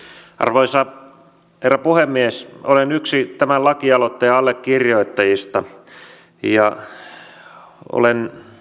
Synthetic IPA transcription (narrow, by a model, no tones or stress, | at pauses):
ʔɑ̰rʋoisɑ | herːæpuhemːiesolenyksit̪æmællɑkiɑlot̪ːɑjɑɑlːekːirjoit̪ːɑjist̪ɑ | jɑ | o̰len